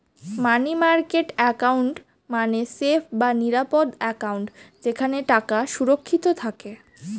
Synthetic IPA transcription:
manimaɾkeʈɛkauɳʈ | manesepʰbaniɾapod̪ɛkauɳʈd͡ʑekʰaneʈakaʃuɾokʰːit̪ot̪ʰake

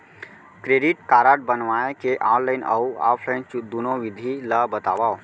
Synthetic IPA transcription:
kɾeːɖɪʈkaːɾaːʈ̚bənʋaekeʔaːnlaɪna̰ua̰ːpʰlaɪnt͡ʃd̪unoʋɪd̪ʱiləbət̪a̰ːʋa

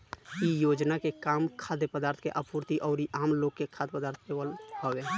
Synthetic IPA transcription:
ijoːd͡ʒnakekaːmkʰaːd̪epəd̪aːɾt̪ʰkeʔəpuːɾt̪iʔɔːɾiʔaːmloːɡkːekʰad̪pəd̪aːɾt̪ʰewəlɦəʋe

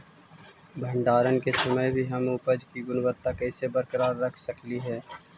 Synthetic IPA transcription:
bʱə̃ɳɖaːɾənkesɐməjbʱiɦɐmʊpəd͡ʒkiɡʊnwət̪ːakɛːsebəɾkəɾaːɾːɐkʰsəkliɦɛː

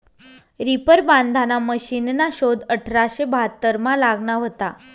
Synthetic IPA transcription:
ɾipəɾband̪ʱanaməɕinnaɕod̪əʈʰɾaɕebʱat̪ːəɾmalaɡɳaʋot̪a

